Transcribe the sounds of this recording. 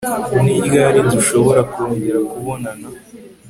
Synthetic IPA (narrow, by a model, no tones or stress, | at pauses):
umniɾɡaɾiduʃo̞βo̞ɾakuoːɲɟeɾakuβo̞nana